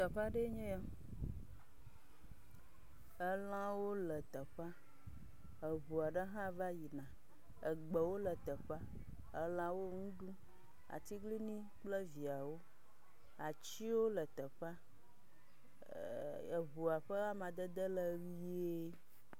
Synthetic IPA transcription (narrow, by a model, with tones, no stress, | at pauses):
t̪ə˨ɸa˦ɖe˦ɲɛ̃˦ja˦ | ə˦lã˦wo˦lə˨t̪ə˨ɸa˦ | ə˨βu˨a˨ɖə˦ɦã˦va˦ji˨nã˨ | ə˨ɡ͡bə˨wo˦lə˨t̪ə˨ɸa˦ | ə˦lã˦wo˦ŋũ˦ɖũ˦ | a̰˨t̪i˦ɡli˦nĩ˦k͡plə˦vi˨a˨wo˦ | a˨t͡ɕi˦wo˦lə˨t̪ə˨ɸa˦ | ə˨βu˨a˨ɸə˦ɣa˦mã˨d̪ə˦d̪ə˦lə˨wi˦e˦